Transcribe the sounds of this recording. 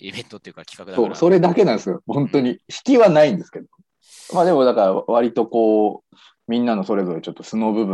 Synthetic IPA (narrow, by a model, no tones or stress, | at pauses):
so̞ːso̞ɾe̞d̪ake̞nãnd̪esɨjohõ̞nt̪o̞ɲ̟içi̥kʲiβanaĩnd̪e̞sɨ̥ke̞d̪o | mad̪e̞mo̞d̪akaɾaβaɾʲit̪o̞ko̞ː | mʲĩnːano̞so̞ɾe̞zo̞ɾet͡ɕo̞t̪ːo̞̥sɨno̞ːbɯ̟bɯ